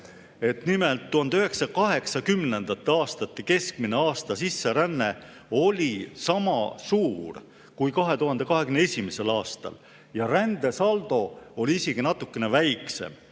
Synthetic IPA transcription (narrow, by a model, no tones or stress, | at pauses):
e̞t̪nime̞lt̪ːuhɑnd̪eøɦe̞ksɑkɑɦe̞ksɑkymne̞nd̪̥ɑt̪ːeɑːst̪ɑt̪ːike̞skmine̞ɑːst̪ɑsisːe̞ɾænːe̞ | o̞lʲisɑmɑ̰suːr | kujkɑɦe̞t̪uɦɑnd̪e̞kɑɦeɡ̥ymneesʲimese̞lɑːst̪ɑ̰l | jɑɾænd̪e̞sɑld̪̥o̞o̞liiseɡ̥inɑt̪ːˑukːe̞ne̞væjkse̞̰m